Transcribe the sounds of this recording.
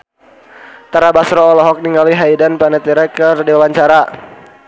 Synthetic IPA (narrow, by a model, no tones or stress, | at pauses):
t̪aɾabasɾɔːlɔɦɔk̚niŋɡaliɦaidanpanɛt̪iɾɛkərdiwawaɲt͡ʃaɾa